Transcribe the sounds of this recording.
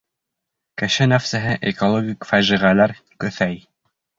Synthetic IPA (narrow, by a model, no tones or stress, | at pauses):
kɘ̆ʃɘnæfsæɦɘʔekolˠoɡʲikfæʒiʁælæɾ | kɵ̆θæj